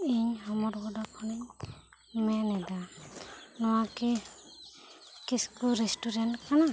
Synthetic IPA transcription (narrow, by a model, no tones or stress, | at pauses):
iɲhɔmɔɾɡɔdakʰɔniɲ | mɛnɛd̪a | nɔwakɛ | kiskuɾɛsʈuɾɛnʈkana